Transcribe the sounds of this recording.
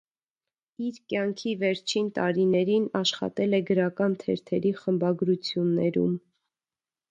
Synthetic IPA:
iɾkjɑŋkʰivɛɾt͡ʃʰint̪ɑɾinɛɾinɑʃχɑ̰t̪ɛlɛɡəɾɑkɑnt̪ʰɛɾt̪ʰɛɾiχəmbɑɡɾut͡sʰjunːɛɾṵm

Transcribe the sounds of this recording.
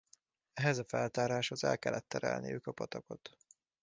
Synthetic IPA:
ɛɦɛzɒfɛlt̪aːɾaːʃho̞zɛlkɛlːɛt̪ːɛɾɛlnijøːkɒpɒt̪ɒko̞t̪

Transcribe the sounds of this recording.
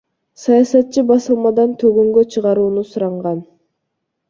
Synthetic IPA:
sɑjɑsɑt̪̚t͡ʃːɯbɑsɯlˠmɑd̪ɑnt̪ʰøɡøŋɡøt͡ʃʰɯʁɑɾuːnusuɾɑɴʁɑn

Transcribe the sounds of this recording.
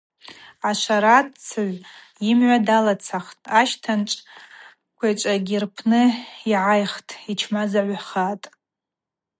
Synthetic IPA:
aʃʷaɾatt͡sʰaʕʷ | jɪmʕʷadalat͡sʰaχtʼaʃtʰanʈ͡ʂʼ | kʷʰat͡ʃʷʼaɡʲirpʰnɨiʕajχtʼit͡ʃʰmazaʕʷaχatʼ

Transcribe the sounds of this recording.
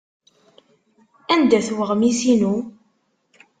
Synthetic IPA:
ænd̪æθwəʁmisinu

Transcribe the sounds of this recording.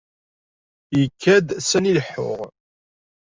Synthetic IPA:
jəkʰːæd̪sæniləħːʊ̰ʁ

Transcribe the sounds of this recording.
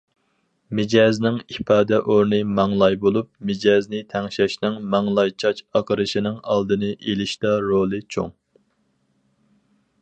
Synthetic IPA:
mɪd͡ʒɑːznɪŋipʰɑːd̪ɛʔoɾnɨmɑŋlˠɑjbolˠup̚mɪd͡ʒɑznɪt̪ʰɛŋʃɛʃnɪŋmɑŋlˠɑjt͡ʃʰɑt͡ʃɑqʰəɾɨʃinɪŋɑ̰lˠd̪ɨnɨʔelɪʃt̪ɑɾolˠɨt͡ʃʰo̰ŋ

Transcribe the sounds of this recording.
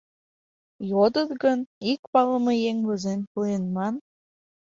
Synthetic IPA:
jod̪ə̆t̪ɡə̆nikpɑlə̆mɤ̆jeŋβə̆zemʲpujenmɑn

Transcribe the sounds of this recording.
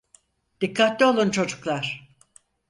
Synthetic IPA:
d̪̥ikʰːat̪lʲɛo̞lˠunt͡ʃʰo̞d͡ʒuklˠaɾ̥

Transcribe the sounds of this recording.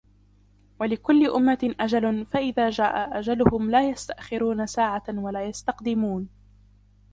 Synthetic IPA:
walɪkʊlːɪʔʊmːaʔad͡ʒalʊfaʔɪðaːd͡ʒaːʔaʔad͡ʒalʊhʊmlaːjast̪aʔxɪɾuːnasaːʕawalaːjast̪ɑqd̪ɪmuːn

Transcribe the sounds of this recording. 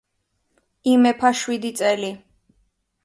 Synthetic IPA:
imɛpʰaʃwid̪it̪sʼɛli

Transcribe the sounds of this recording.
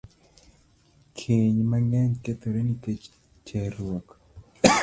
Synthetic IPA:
kʰeɲmaŋɛnket̪oɾeniket͡ʃ | t͡ʃeɾwok

